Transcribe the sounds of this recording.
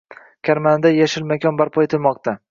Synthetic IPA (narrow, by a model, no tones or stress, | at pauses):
kʲʰaɾmand̪ajaʃɪlmakʲʰɒnbaɾpʰɒet̪ʰɪlmɒq̚t̪ʰa